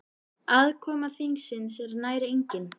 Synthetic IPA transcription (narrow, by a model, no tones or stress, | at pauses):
aðkʰɔːmaθiŋsɪnsɛɾnaːjɾɪejɲcɪn